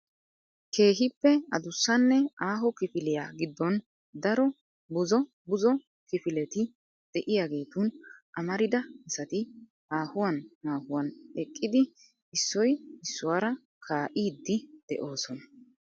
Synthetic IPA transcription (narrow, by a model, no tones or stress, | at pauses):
kʰe̞ːɦɪpːɛɐd̪ʊsːɐnːɛaːɦɔkɪfɪlɪjaːɡɪd̪ːɔn | d̪ɐɾɔ | bʊzɔ | bʊzɔ | kɪfɪlɛt̪ɪ | d̪̥ɛʔɪjaːɡe̞ːt̪unʔɐmɐɾɪd̪ɐɪsɐt̪ɪ | ʔaːhʊwɐnmaːhʊwɐnɛkʼːɪd̪ɪ | ɪsːɔjɪsːʊwaɾɐ | kʰaːʔiːd̪ːɪd̪̥ɛ̰ʔo̞ːsɔnɐ̥